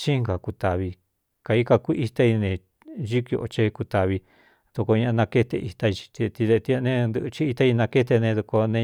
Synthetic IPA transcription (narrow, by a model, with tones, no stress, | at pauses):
t͡ʃi˦ŋɡa˨ku˧t̪a˨βi˧ | ka˨i˦ka˧ku˦i˧t̪a˦i˧nẽ˧ | ʒi˦ki˧o˧ʔo˧t͡ʃe˧ku˧t̪a˧βi˧ | ð̥u˧ko˧ɲã˧ʔã˧nã˧ke˦t̪e˧ʔi˧t̪a˧i˧t͡ʃi̥˧t̪i˧t̪i˧ðe˧t̪i˧a˧nẽ˦nd̪ɨ˧t͡ʃi˦i˧t̪a˧i˧nã˧ke˦t̪e˧nẽ˧ðu˧ko˧nẽ˧